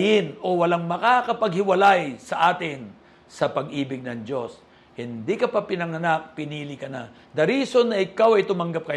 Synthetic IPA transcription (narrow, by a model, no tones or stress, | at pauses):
jɪno̞wɐlaŋmɐkakɐpɐɡhɪwɐlajsɐʔaːt̪ɪn | sɐpɐɡʔiːbɪɡ̚nɐŋd͡ʒo̞s | hɪnd̪ikɐpapɪnɐŋɐnak̚pɪniːlɪkɐna | d̪ɐɾiːso̞nːɐʔɪkawɐjt̪ʊmɐŋɡap̚kɐ